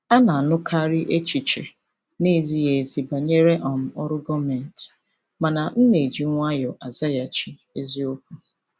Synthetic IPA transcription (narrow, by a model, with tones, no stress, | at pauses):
a˦na˨a˨nʊ˦kʰa˦ɾɪ˦ʔe˦t͡ʃi˨t͡ʃḛ˨ | ni˦˨zi˦je˨zi˦ba˨ɲe˦ɾe˦ʔɔ˨m̩˨ɔ˦ɾʊ˦ɡɔ˦me˨n̩˨t | ma˨na˨n̩˦ne˨d͡ʒi˨˦ŋʷ˦a˦jɔ˨ʔa˨za˦ja˨t͡ʃi˨ | e˦zi˦o˦kʷu˦